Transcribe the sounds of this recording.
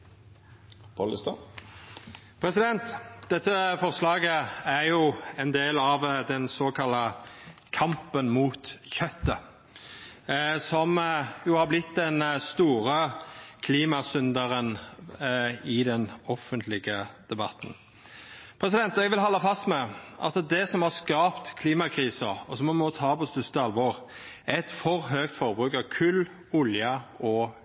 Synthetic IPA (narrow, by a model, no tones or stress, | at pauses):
pʰɔləst̪o | pʰʁɛsɪd̪ɛnt̪d̪̥ɛt̪ːəfɔʁslɑːɡəæʁjʊɛnd̪eːlɑʋd̪ɛnsoːkʰɑlːəkʰɑmpənmuːt̪çœt̪ːə | sɔmjʊhɑɾblɪt̪ːd̪ɛnst̪uːʁəkʰliːmɑsʏnd̪əɾən | ɪd̪ɛnɔfənt̪lɪɡəd̪̥ɛbɑt̪n̩ | pʰɾɛs̬ɪd̪ɛnt̪ɛɡʋɪlɦɑlːəfɑst̪mɛʔɑ̰t̪d̪ɛsɔmhɑskɑːpt̪kʰliːmɑkʰɾiːsəɔsɔmɔmɔt̪ʰɑːpɔst̪ʉst̪əɑlʋoʁ | æɛt̪fɔʁɦøːkt̪fɔɾbɾʉːkɑkʰʉl | ʊljɑɔ